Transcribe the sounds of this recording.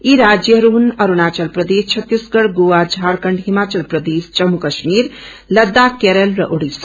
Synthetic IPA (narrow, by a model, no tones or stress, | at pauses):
iɾad͡ʒjəɾuɦunəɾunaːt͡ʃəlpɾəd̪est͡ʃʰət̪ːisɡəɽɡuad͡ʒʱaɽkəɳɖɦimat͡ʃəlpɾəd̪eːst͡ʃəmukəʃmiɾ | ləd̪ːakeɾelɾəʔoɽis